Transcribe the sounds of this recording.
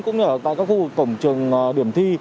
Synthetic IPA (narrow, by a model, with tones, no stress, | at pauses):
kʊ̰˧˥ŋ͡mɨ˧ʔəː˧˩t̪a̰ː˧˨jkaː˦˥kxu˧vɨ˨˩kːə˧˩wŋ͡mt͡ɕɨ˨˩əŋ˨˩ɗi˧˩əmt̪ʰi˧